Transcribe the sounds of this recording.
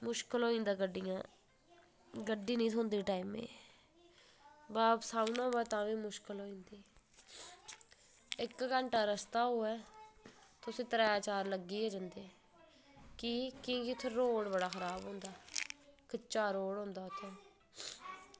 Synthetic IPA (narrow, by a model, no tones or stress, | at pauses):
mʊʃkəlɦoːĩːnd̪aːɡəɖːijãː | ɡəɖːiːnəĩːt̪ʰoːnd̪iːʈaːiːmḛ̃ː | baːpsaːʊnãːbaːt̪ãːʋiːmʊʃkəlɦoːĩːnd̪iː | ɪkkəɳʈaːɾəst̪aːɦoːɛː | t̪ʊsĩːt̪əɾaːjaːt͡ʃaːɾləɡːiːeːd͡ʒə̃nd̪eː | kiːkĩːkɪt̪ʰoɾoːɽbəɽaːxəɾaːbɦʊ̃ːnd̪aːkət͡ʃːaːɾoːɽɦõːnd̪aːt̪ʰẽː